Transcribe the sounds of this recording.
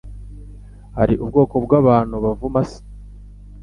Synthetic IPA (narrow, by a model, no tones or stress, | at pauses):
ha̰ɾiʔubɡo̞ːkobɡaːβaːn̤̥huβavumasi̥